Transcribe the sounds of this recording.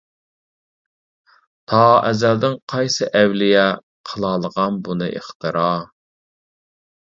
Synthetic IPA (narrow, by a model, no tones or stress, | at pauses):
t̪ʰɑɛzæld̪ɪŋqʰɑjsɨʔɛwlɪjɛ | qʰəlˠɑːlˠəʁɑnbunɨ̰ʔeχt̪ʰɨɾɑ